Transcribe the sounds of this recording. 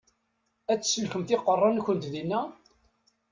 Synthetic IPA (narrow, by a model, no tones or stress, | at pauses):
æt͡sːsəlkəmθɪqːərˤːɑnçʷənt̪ðinːæ